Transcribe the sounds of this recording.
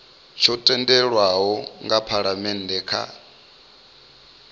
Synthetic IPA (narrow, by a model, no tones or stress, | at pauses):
t͡ʃʰɔtʼɛndɛɺwaɦɔŋɡapʰaɺamɛndɛkʰa̰